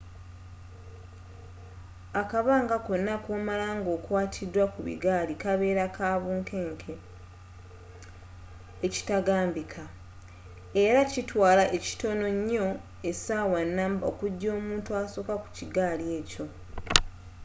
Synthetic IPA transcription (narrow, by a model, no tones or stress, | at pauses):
akaβaːŋɡako̞nːakoːmalaːŋɡo̞ːkwaːtʰidwakuβḭɡaːlikaβe̞ːɾakʰaːβuːŋke̞ːŋkʰe | eci̥taɡaːmbikʰa | eɾacitwaːlaʔe̞ci̥to̞no̞ɲːo̞ | esawanːaːmbo̰ːkuɟːo̞ːmuːntuasoːkaku̥ciɡaːlie̞ːco̞